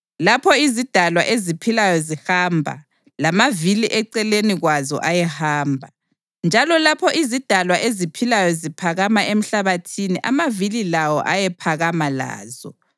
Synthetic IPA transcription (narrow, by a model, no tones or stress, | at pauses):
lapʰɔizid̥ʱalwa̰ʔezipʰilajɔzihambʱa̰ | lamaviliʔɛǀɛleniɣwazɔ̰ʔajɛhaːmbʱa | nd͡ʒʱalɔlapʰɔʔizid̥ʱalwaʔezipʰilajɔzipʰaɣamaʔem̩ɬaβatʰiniʔamavililawɔʔajɛpʰaɣamala̰ːzɔ